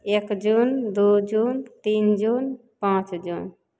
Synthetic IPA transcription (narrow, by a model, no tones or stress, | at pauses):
ekd͡ʒund̪ud͡ʒunt̪ind͡ʒun | pãt͡ʃd͡ʒun